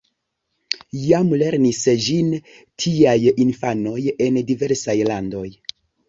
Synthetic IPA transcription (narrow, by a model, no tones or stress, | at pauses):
jamle̞ɾnisd͡ʒin | tʰiajinfano̞je̞ndive̞ɾsajlando̞j